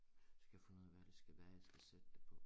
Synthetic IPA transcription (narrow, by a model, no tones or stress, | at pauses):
sɡ̥æjɑfo̽nuð̰ˠæʋæd̥esɡ̥æʋæːɐjɑsɡ̥æsed̥əd̥epʰɒ̽